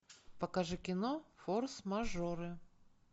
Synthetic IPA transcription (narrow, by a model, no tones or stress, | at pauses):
pɐkaʐɨkʲɪnofoɾsmɐʐoɾɨ